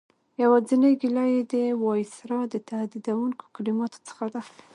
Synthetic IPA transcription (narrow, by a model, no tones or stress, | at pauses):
jawɑzinəɡilɑjed̪əwɑjsɾɑd̪ət̪ahd̪id̪awuŋko̥kalimɑt̪o̥t͡sə̥xad̪a